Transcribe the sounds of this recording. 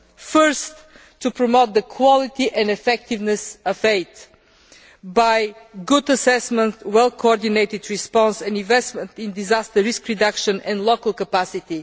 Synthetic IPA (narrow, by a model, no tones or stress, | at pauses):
fɜ˞st̪ʰː | upɹɔmoʊt̪̚d̪əkʰwɔlɪt̪iʔɛ̃ndɛfɛk̚t̪ɪvnɛsʌfeɪt̪ | baɪɡʊd̪əsɛsmə̃nt̪wɛlˠkʰoɔɾd̪ineɪt̪ɪd̪ɹispɔ̃nsɛ̃ndĩnvɛst̪mə̃nt̪ĩnd̪izast̪əɹɪskɹid̪akʃə̃nɛ̃ndlokəlˠkəpasit̪i